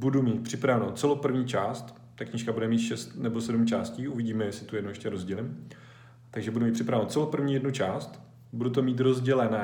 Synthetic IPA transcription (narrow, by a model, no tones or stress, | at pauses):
budumiːt̪̚pr̥ɪpɾavɛnowt͡sɛlowpr̩vɲiːt͡ʃaːst̪ | t̪ːakɲiːʃkabudɛmiːt̪ʃɛst̪nɛbo̞sɛdmt͡ʃaːsciːʔuvɪɟiːmɛjsɪt̪ujɛdnowjɛʃcɛɾozɟɛlɪm | t̪aɡʒɛbudumit̪prɪpɾavɛnowt̪t͡sɛlowpr̩vɲiːjɛdnut͡ʃaːst̪ | budut̪̬omiːt̪ɾo̞zɟɛlɛnɛː